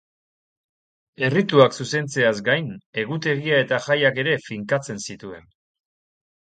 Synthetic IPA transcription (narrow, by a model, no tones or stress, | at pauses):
e̞rit̪uaksuse̞nt͡se̞azɡajne̞ɣut̪e̞ɣiae̞t̪axajake̞ɾe̞fiŋkat͡se̞nsit̪ue̞̰n